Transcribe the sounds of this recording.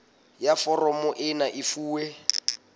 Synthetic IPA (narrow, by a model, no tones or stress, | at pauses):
jafɔrɔmɔʔɪnaʔifuːwɛ